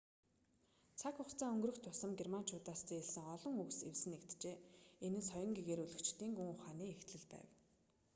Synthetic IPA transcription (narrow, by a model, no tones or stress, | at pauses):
t͡sʰakχʊχt͡sʰaːɵŋɡ̆rɵ̆xt̪ʰːʊsə̆mɡerman̥t͡ɕʰʊːt̪aːst͡seːeɮsɘ̆ŋɔɮɞ̆ŋɵksewsɘ̆nekt̪t͡ɕeːenɘ̆nsɔjɞ̆ŋɡeɣeːɾuɮɵ̆kt͡ɕt̪iːŋɡuŋʊχaːniːext̪ɮɘ̆ɮpæ̰ːw